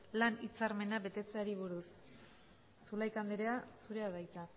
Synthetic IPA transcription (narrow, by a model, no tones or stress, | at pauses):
lanit͡saɾme̞naβe̞t̪e̞t͡seaɾiβuɾus | ulajkand̪eɾe̞asuɾe̞aðajt̪a